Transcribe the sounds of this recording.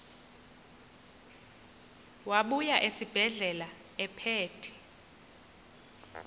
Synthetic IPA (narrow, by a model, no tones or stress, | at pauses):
waɓujaʔesib̥ʱɛɮɛla | ɛpʰeːtʰi̥